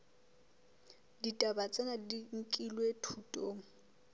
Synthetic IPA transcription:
ditʼabat͡sʼɛnadiŋ̩kʼilwetʰutʼoːŋ̩

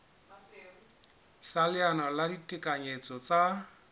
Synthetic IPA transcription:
salɪanɔladitʼɪkʼaɲet͡sʼɔt͡sʼa

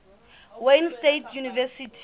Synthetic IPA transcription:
wejnstetʰjunivɛsitʰ

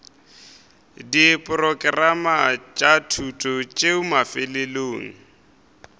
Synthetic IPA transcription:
dipʼʊrɔkʼɪramat͡ʃʼatʰutʼɔt͡ʃʼeʊmafɪleloːŋ̩

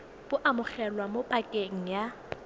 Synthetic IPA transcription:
b̥ʊʔamʊχɛlwamopʼakʼeŋ̩ja

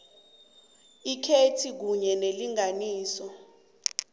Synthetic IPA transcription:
ikʰetʰik̬uɲɛneliŋaniːsɔ

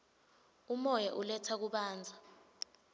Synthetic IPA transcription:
umɔjɛʔulɛtʰak̬uɓaːnd͡zʱa

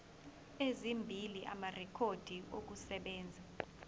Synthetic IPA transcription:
ezimbʱiliʔa̰marɛkʰod̥ʱiok̬usɛɓɛːnd͡zʱa

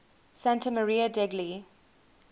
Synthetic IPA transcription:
sãntəməɹiːədɛɡli

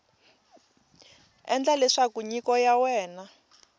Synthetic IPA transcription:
ɛ̰nd͡ɮalɛʂakuɲikɔjawɛːna

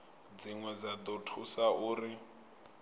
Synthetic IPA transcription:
d͡ziŋwɛd͡zad̪ɔtʰusauːri

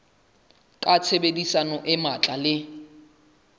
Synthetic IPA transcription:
kʼat͡sʰebedisanɔʔɪmat͡ɬʼalɪ

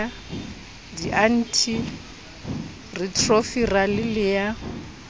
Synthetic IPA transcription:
a | diʔan̩tʰi | ritʰrofiralɪlɪja

